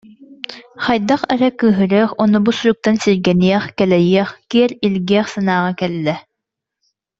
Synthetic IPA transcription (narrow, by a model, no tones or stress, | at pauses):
χɑjd̪aχɛɾɛkɯːɦɯɾɛːχɔnubusyɾuk̚t̪ansiɾɡɛniɛχkɛlɛjiɛχkiɛɾilʲɡɛɛχsanaːʁɑkɛlːɛ